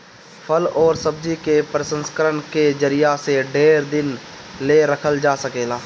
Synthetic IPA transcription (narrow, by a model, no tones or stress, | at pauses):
pʰəlɔːɾsəbd͡ʒikepɾəsə̃nskəɾənked͡ʒəɾɪjaseɖeːɾd̪ɪnleɾəkʰəld͡ʒaːsəkeːlaː